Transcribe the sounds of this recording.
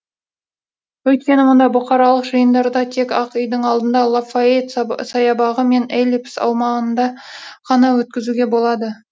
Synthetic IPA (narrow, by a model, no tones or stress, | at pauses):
wɵjt̪̚kʲe̞nɪmond̪ɑbʊqɑɾɑlˠəqʒəjənd̪ɑɾd̪ɑt̪ʰe̞kɑqʏjd̪əɴɑlˠd̪ənd̪ɑlˠafaet̪sɑjɑbɑʁəme̞nelʲipsɑ̰wmɑʁənd̪ɑqʰɑnɑwɵt̪̚kʲɪzuɡʲe̞bo̞lˠɑd̪ə